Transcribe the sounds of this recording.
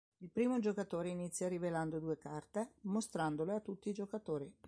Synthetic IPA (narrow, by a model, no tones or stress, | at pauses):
ilpɾiːmod͡ʒokat̪oːɾeinit̪sːjaɾiveland̪od̪uːekart̪emost̪ɾand̪oleat̪ːut̪ːiːd͡ʒokat̪oːɾi